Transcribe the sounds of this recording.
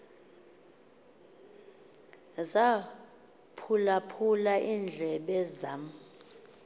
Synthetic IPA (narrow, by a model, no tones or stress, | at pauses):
za | pʰulapʰulaʔind͡ɮʱɛɓɛzam